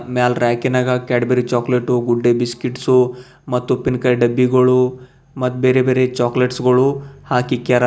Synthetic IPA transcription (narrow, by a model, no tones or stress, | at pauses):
maːlɾaːkinaːɡɐkaːɽbeːɾit͡ʃaːkleʈːuɡuɖːebiskiʈsu | mɐt̪ːupinkɐjɖɐbːiɡɐɭu | mɐt̪ːubeːɾebeːɾet͡ʃaːkleʈsɡɐɭuhaːkikaɾ